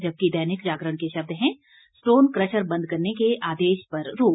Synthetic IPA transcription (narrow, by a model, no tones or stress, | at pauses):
d͡ʒɐb̚kid̪ɐɦnɪkd͡ʒaːɡɾəɽ̃keʃɐb̚d̪ɦɛ̃ | sʈoːnkɾəʃəɾbɐ̃nd̪̚kɐɾnekeaːd̪eːʃpɐɾɾoː